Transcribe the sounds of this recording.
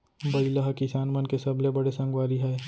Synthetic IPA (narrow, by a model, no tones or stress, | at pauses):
bɐɪlaɦkɪsaːnmənkesɐblebɐɽesɐ̃ŋɡwaːɾiɦɛː